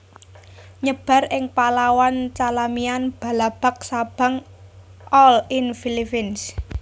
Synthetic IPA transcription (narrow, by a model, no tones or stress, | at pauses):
ɲəb̥a̤rʔɪŋpalawant͡ʃalamianb̥a̤lab̥a̤k̚sab̥a̤ŋ | ʔɔlinfilipins